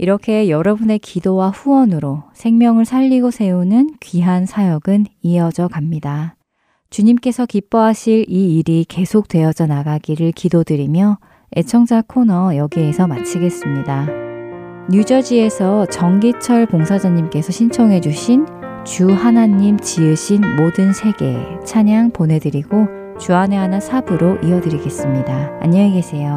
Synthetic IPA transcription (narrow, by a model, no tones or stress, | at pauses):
iɾʌkʰe̞jʌɾʌbune̞kidowaɸuwʌnɯɾosʰe̞ŋmjʌŋɯɭsʰaʎːiɡosʰe̞unɯnkɥiɦansʰajʌɡɯniʌd͡ʑʌkamɲida | t͡ɕuɲimk͈e̞sʰʌkip͈ʌɦaɕʰiɾiːɾike̞sʰok̚t͈we̞ʌd͡ʑʌnaɡaɡiɾɯɭkidodɯɾimjʌ | e̞̰t͡ɕʰʌŋd͡ʑakʰonʌjʌɡie̞sʰʌmat͡ɕʰiɡe̞s͈ɯmɲida | ɲud͡ʑʌd͡ʑie̞sʰʌt͡ɕʌŋɡit͡ɕʰʌɭkoŋsʰad͡ʑaɲːimk͈e̞sʰʌɕʰint͡ɕʰʌŋɦe̞d͡ʑuɕʰin | t͡ɕuɦanaɲːimt͡ɕiɯɕʰinmodɯnsʰe̞ɡe̞̰t͡ɕʰaɲaŋponɦe̞dɯɾiɡo | t͡ɕuane̞ɦanasʰabɯɾoʔiʌdɯɾiɡe̞s͈ɯmɲida̰ːɲʌiɡe̞sʰe̞jo